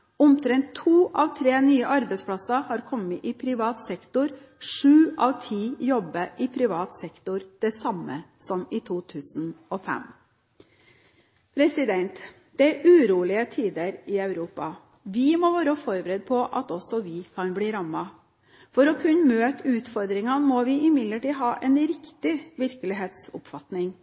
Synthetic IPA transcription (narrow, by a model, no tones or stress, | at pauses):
ʊmt̪ʰɾɛnt̪ʰːuːʔɑʋt̪ʰɾeːnyːəʔɑɾbɛspʰɽɑsɑhɑːɾkʰɔmːəʔɪpʰɾɪʋɑːt̪sɛkt̪ʊɾ | ʂʉːʔɑʋt̪ʰiːjɔbəʔɪpʰɾɪʋɑːt̪sɛkt̪ʊɾd̪̥ɛsɑmːəsɔmɪt̪ʰuːt̪ʰʉːsn̩ɔfɛ̰m | pʰɾɛsɪd̪ɛnt̪ | d̪̥ɛæɾʔʉːɾuːlɪət̪ʰiːd̪əɾɪɑʉɾuːpɑ | ʋɪmɔʋɑːɾəfɔɾbəɾɛd̪̚pʰɔʔɑt̪ɔsɔʋɪkʰɑnbliːɾɑmɑ | fɔɾɔkʰʉnːmøːt̪ʉːt̪fɔɾd̪ɾɪŋɑnmɔʋɪʔɪmɪd̪ləʈiːɦɑːʔɛnɾɪkt̪ɪʋɪɾkəlɪɦeːt̪sʊ̰pfɑt̪nɪŋ